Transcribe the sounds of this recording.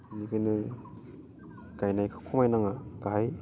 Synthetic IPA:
nikɯjnɯ | ɡajnajkʰɯ̥kʰɔmajnaŋaɡ̥aɦaj

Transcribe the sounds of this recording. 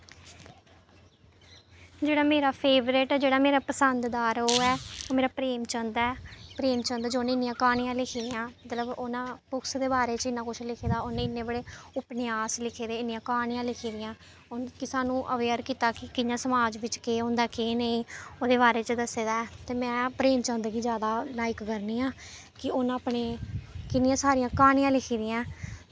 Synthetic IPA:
d͡ʒeːɽaːmeːɾaːpʰeːʋɾɪʈɛːd͡ʒeːɽaːmeːɾaːpəsənd̪d̪aːɾoːɛːoːmeːɾaːpɾeːmt͡ʃənd̪ɛːpɾeːmt͡ʃə̃nd̪aːd͡ʒoːnẽɪnːɪjãːkaːɽ̃ɪjãːlɪkʰiːd̪ɪjãːmət̪ləbʊnãːpʊksd̪eːbaːɾeːt͡ʃəɪnːãːkʊt͡ʃʰlɪkʰeːd̪aːʊnẽːɪnːẽːbəɽeːʊpneaːslɪkʰeːd̪eːɪnːɪjãːkaːɳɪjãːlɪkʰiːd̪ɪjãː | ʊnkɪsaːnũːʔəʋeːəɾkiːt̪aːkɪkɪɲjãːsəmaːd͡ʒʋɪt͡ʃkeːʊ̃nd̪aːkeːnəĩːoːd̪eːbaːɾeːt͡ʃəd̪əseːd̪aːt̪eːmɛ̃ːpɾeːmt͡ʃə̃ːnd̪ɡiːd͡ʒjaːd̪aːlaːɪkkəɾniːãː | kɪʊnaaːpɳeːkɪnjãːsaːɾɪjãːkaːnɪjãːlɪkʰiːd̪ɪjãː

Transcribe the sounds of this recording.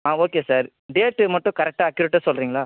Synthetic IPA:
aːoːkeːsaːɾ | ɖeːʈːmɐʈːʊ̃kɐɾɛk̚ʈaːkjʊɾɪʈːasɔlɾiːŋɡɐɭaː

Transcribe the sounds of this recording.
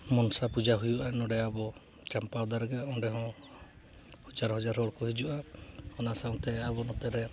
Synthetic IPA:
mɔnsapud͡ʒaɦujuʔanɔɽɛabɔ | t͡ʃampad̪aɾɡɛɔ̃ɖɛɦɔ̃ | hɔd͡ʒaɾɦɔd͡ʒaɾɔɽkɔɦid͡ʒuʔahɔnasaw̃t̪ɛabɔnɔt̪ɛɾɛ

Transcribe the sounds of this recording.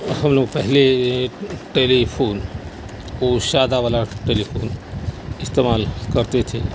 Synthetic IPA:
hɐmloːɡ̚pɛɦle | ʈeːlipʰoːn | oːʃaːd̪aʋaːlaʈeːlipʰo̰ːnɪst̪eːmaːlkəɾt̪et̪ʰe

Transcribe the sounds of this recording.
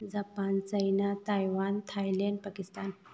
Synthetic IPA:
d͡zapant͡ɕəjnat̪ajʋant̪ʰajlaɳɖ̚pakist̪an

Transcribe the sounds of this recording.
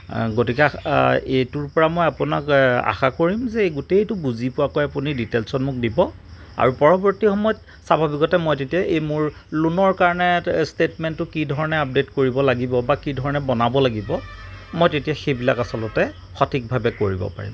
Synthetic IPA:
ɡotikɛejtuɹpɔɹamojapʊna̰ka̰xakoɹimzɛeɡutetubuzipʊakojapuniditelsɔnmʊk̚dibɔ | a̰ɹupɔɹɔbɔɹtixɔmɔjɔt | sabʱabikɔtɛmojtetijaʔejmʊɹ | lunɔɹkaɹɔnɛstetmɛntːʊkidʱɔɹɔnɛap̚detkoɹibɔlaɡibɔbakidʱɔɹɔnɛbɔnabɔlaɡibɔmojtetijaxejbila̰kasɔlɔtɛ | xɔtʰik̚bʱabɛkoɹibɔ̰pa̰ɹḭm

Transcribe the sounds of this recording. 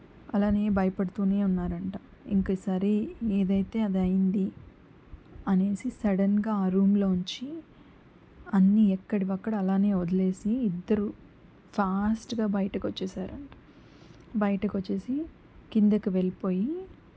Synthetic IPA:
ɐlaːne̞ːbɐjɐpɐɽut̪uːne̞ːunːaːɾɐɳʈaː | ḭŋkɐːsaɾieːd̪ɐjt̪e̞ːɐd̪ɐjind̪i | ɐne̞ːsisɐɽɐnɡaːɾuːmlo̞ːuɲt͡ʃi | ɐnːiɛkːɐɽiʋɐkːɐɽɐɐlaːne̞ːod̪ɐle̞ːsiːd̪ːɐɾu | pʰaːsʈɡaːbɐjɐʈɐkot͡ʃːɛːsaːɾɐɳʈḁː | bɐjɐʈɐkot͡ʃːe̞ːsi | kind̪ɐkiʋelipo̞ːji

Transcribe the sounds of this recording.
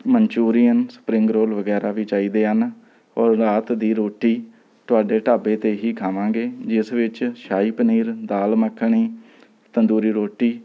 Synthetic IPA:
mənt͡ʃuːɾijənsə̥pɾɪ̃ŋɡɾoːlʋəɡɛːɾaːʋiːt͡ʃaːiːd̪eːɦən | ɔːɾːaːt̪d̪iːɾoːʈiː | t̪ʊaːɖeːʈaːbeːt̪eːɦiːkʰaːʋãːɡeːd͡ʒɪsʋɪt͡ʃʃaːiːpəniːɾd̪aːlməkʰːɳiː | t̪ənd̪uːɾiːɾoːʈiː

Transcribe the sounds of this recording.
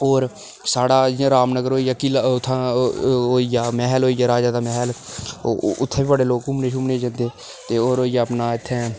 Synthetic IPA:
oːɾ | saːɽaːd͡ʒɪjãːɾaːmnəɡəɾɦoːijaːkiːlaʊt̪ʰːãːoːijaːmɛɦloːiːjaːɾaːd͡ʒaːd̪aːmɛːɦɛl | ʊt̪ʰːeːbiːbəɖeːloːkʊmneːʃʊmneːd͡ʒə̃nd̪eː | t̪eːoːɾoːijaːəpnaːɪt̪ʰːɛ̃ː

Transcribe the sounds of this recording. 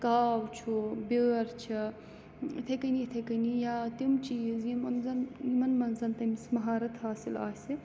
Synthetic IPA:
kaːwt͡ʃʰubʲeːɾt͡ʃʰi | t̪ʰɐkɐnit̪ʰɐkɐnijaːt̪imt͡ʃizjimɐnzɐnjimɐnmɐnzɐnt̪ɐmsmɐɦaːɾɐt̪ʰhaːsila̰ːsi

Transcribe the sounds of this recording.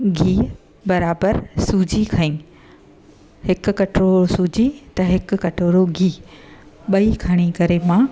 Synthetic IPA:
ɡʱiː | bɐɾaːbəɾsuːd͡ʑʱikʰɐĩː | hɪkʊ̆kɐʈɾoːosuːd͡ʑit̪ɐɦɪkʊ̆kɐʈoːɾoɡʱiː | ɓɐikʰɐɽ̃ikɐɾemãː

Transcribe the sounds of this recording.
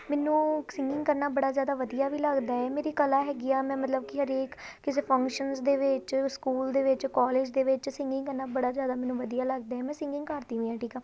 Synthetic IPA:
mɛːnũːsɪŋɡɪ̃ŋɡkəɾnaːbəɽaːzjaːd̪aːʋəd̪ijaːʋiːləɡd̪aːɛːmeːɾiːkəlaːɦɛːɡɪaːmɛ̃ːmət̪ləbkɪɦəɾeːkkɪseːpʰə̃ŋkʃənsd̪eːʋɪt͡ʃskuːld̪eːʋɪt͡ʃkɔːleːd͡ʒd̪eːʋɪt͡ʃsɪ̃ŋɡɪŋɡkəɾnaːbəɽaːzjaːd̪aːmɛːnũːʋəd̪ijaːləɡ̚d̪aːɦɛːmɛ̃ːsɪ̃ŋɡɪ̃ŋɡkəɾt̪ĩːʋĩːãːʈiːkaː

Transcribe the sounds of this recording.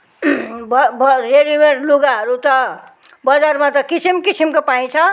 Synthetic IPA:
bʌbʌɾeɾibeɾluɡaɦʌɾut̪ʌ | bʌd͡zarmat̪ʌkisimkisimkopaĩt͡sʰʌ

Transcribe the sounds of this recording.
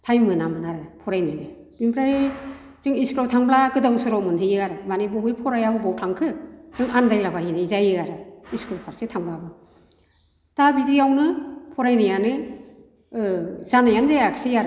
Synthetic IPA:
tʰajmɯnamɯnaɾɯpʰɔɾajnalɯ | b̥impʰɾaj | z̥ɯŋiskɾɔtʰaŋblaɡɯdawsɯɾɔmɯnhʰɯjɯaɾɯmanibɔwipʰɔɾajabɯbawtʰaŋkʰɯz̥ɯŋʔandajlabahinazajɯaɾɯiskɾɔpʰaɾsɯtʰaŋblabɯ | tabidiawnɯpʰɔɾajnajanɯ | z̥anajanzajakʰsejaɾ

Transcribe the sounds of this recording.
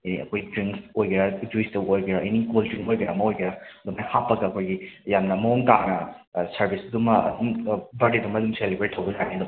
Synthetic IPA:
iniɐ̰kʰojtɾiŋsojɡiɾad͡ʒuistɐbojɡiɾaʔinikultɾiŋojɡiɾamɐojɡiɾaɐdumajhapːɐɡɐɐkʰojɡijamnɐmɐoŋtanɐ | sɐɾbʱisdumːɐɐ̰dumbɐɾdedumɐdumselibeɾitʰɐwɡɐlanidum

